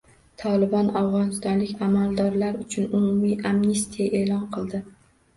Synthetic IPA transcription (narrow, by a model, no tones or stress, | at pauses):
t̪ʰɒlɪbɒnawʁɒnɪst̪ɒnlɪkʲamalˠd̪ɒɾlaɾʊt͡ʃʰʊnʊmʊmijamnest̪ʰijaʔe̞ːlɒnqʰɨlˠd̪ɪ